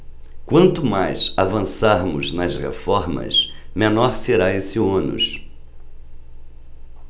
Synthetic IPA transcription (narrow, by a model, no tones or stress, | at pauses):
kwɐ̃nt̪ʊmajsavɐ̃saɾmʊznɐzʁḛfɔɾmɐ̰smenɔɾseɾaesɪõnʊ̰s